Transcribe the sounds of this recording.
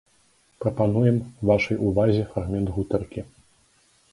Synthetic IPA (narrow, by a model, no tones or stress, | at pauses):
pɾɐpanujɛmvaʂɐjʔuvazʲɛfɾaɣmʲɛnd̪ɣut̪ɛrkʲi